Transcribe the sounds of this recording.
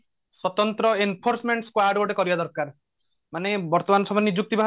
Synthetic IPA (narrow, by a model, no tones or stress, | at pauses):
swɔt̪ɔnt̪ɾɔenpʰoɾsmeɳʈskwajɖboɖekɔɾibad̪ɔɾkaɾ | manebɔɾt̪ɔmanɔsɔbʱɔnːid͡ʒuk̚t̪ibʱaɦ